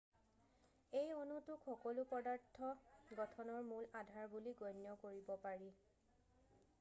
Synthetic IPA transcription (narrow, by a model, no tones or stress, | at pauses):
ejonutʊkʰxɔkɔlupɔdaɹtʰːɔɡɔtʰɔnɔɹmuladʱaɹbuliɡɔjnjɔkoɹibɔpaɹi